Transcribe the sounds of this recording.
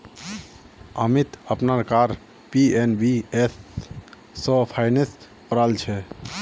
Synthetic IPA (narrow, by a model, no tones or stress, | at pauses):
əmit̪əpnaɾkaɾ | pienbiesː | ɔ̃pʰaɪnes | pɾalt͡ʃʰɛ